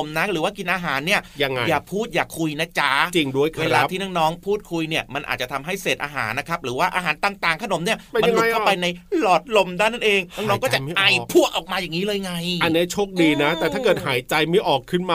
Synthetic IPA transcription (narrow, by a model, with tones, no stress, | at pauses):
mna˦˥ɾɯː˩˦waː˥˩ki˧nʔaː˧ɦaː˩˦nːi˥˩ɐja˧ŋː˧jaː˨˩pʰuː˥˩t̪̚jaː˨˩kʰːu˧jna˦˥t͡ɕa˦˥t͡ɕi˧ŋdu˥˩əjkʰwee˧laː˧˦p̪ʰiː˥˩nɔː˥˩ŋnɔː˦˥ŋpʰuː˥˩t̪̚kʰu˧jni˥˩ɐma˧nʔa̰ː˨˩t͡ɕa˨t̪ʰa˧mɦa˥˩jseː˨˩t̪ʔaː˧ɦa̰ː˩˦nːa˦˥kʰa˦˥p̚ɾɯː˩˦waː˥˩ʔaː˧ɦaː˩˦nt̪aː˨˩ŋt̪aː˨˩ŋkʰa˧no˨˩˦mni˥˩ɐ˧manlu˨˧kʰpa˧jna˧jlɔː˨˩t̪̚lo˧mdaː˥˩na˥˩nʔeː˧ŋnaː˥˩ŋnɔː˦˩ŋkɔ˥˨˩t͡ɕa˨˦ʔa˧˩jpʰu˥˩əʔɔː˨˩k̚maː˧jaː˨˩ŋiː˦˥lɤː˧jŋa˧ja˨nːi˦˥t͡ɕʰoː˥˩k̚diː˧na˦˥t̪ɛː˨˩t̪ʰaː˥˩kɤː˨˩t̪̚ɦaː˨˩˦jt͡ɕa˧jmi˦˥ʔɔː˨˩kʰːɯ˥˩nmaː˧